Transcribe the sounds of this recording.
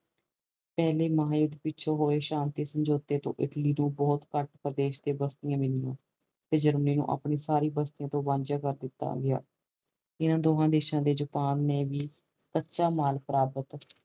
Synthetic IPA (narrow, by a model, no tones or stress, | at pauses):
pɛːleːməɦaːjʊd̪pɪtːʃʰoːɦoːeːʃaːnt̪iːsəɲd͡ʒoːt̪eːt̪õ̰ːʔɪ̰ʈliːnũːbɔːt̪kəʈpɾəd̪eːʃd̪eːbəst̪ɪjãːmɪlijã̰ː | t̪eːd͡ʒəɾməniːnṵ̃ːʔa̰ːpɳeːsaːɾiːbəst̪ɪjãːt̪õːbãːnd͡ʒjaːkəɾd̪ɪt̪ːa̰ːɡɪja̰ː | ɪnãːd̪oːɦãːd̪eːʃãːd̪eːd͡ʒʊpaːnːeːʋiː | kətːʃaːmaːlpəɾaːbət̪